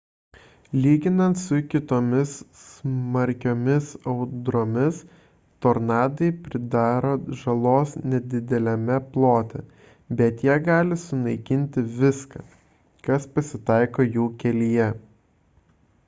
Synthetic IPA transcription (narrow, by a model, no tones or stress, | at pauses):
lʲiːɡʲɪnɐnt̪sʊkʲɪt̪oːmʲɪssmɐɾʲkʲoːmʲɪsɒʊd̪ɾoːmʲɪs | t̪oːɾnɑːd̪ɐɪpʲɾʲɪd̪ɑːɾoːʒɐlˠoːsnʲɛd̪ʲɪd̪ʲɛlʲɛmʲɛplˠoːt̪ʲɛ̰ | bʲɛt̪jiːɡɑːlʲɪsʊnɐɪkʲɪnʲt̪ʲɪʋʲɪskɑ̰ | kɐspɐsʲɪt̪ɑɪkoːjuːkʲɛlʲijɛ